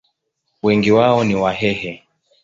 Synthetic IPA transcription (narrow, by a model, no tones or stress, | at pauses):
wɛŋɡiwaɔniwaɦɛhɛ